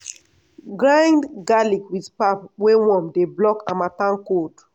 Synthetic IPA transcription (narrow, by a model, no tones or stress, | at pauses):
ɡɹãjndɡalikwidpapwewɔ̃mdeblɔkã̰matãnkot